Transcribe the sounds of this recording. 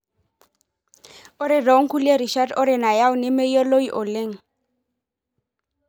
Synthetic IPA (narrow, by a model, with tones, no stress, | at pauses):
ʊ˦ɾɪ˦dɔ˨˦ŋ̩˦ku˦le˦ɾi˨ʃa˦dʊ˦ɾɪ˨na˨ja˦ʊ˦nɪ˦me˦jo˦lo˦i˦ʔʊ˨leː˦ŋ̩˨